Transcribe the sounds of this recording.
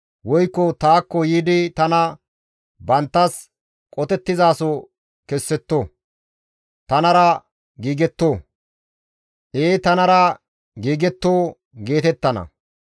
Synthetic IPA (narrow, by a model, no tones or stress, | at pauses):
wɔjkːɔt̪aːkːɔjiːd̪ɪt̪ɐnɐ | bɐnt̪ːɐs | kʼɔt̪ɛt̪ːɪzaːsɔ | kɛsːɛt̪ːoː | t̪ɐnɐɾɐ | ɡiːɡɛt̪ːoː | ʔeːt̪ɐnɐɾɐ | ɡiːɡɛt̪ːoː | ɡe̞ːt̪ɛt̪ːɐnɐ̰